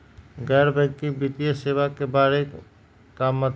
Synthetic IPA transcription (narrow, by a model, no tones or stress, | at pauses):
ɡɛːɾbɛ̃ɡkibit̪ijəseːʋakebaːɾe | kaːmːət̪